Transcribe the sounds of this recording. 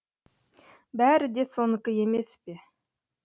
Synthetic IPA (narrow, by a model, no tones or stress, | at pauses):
bæːɾɘd̪esonɤkɤjemeθpɪ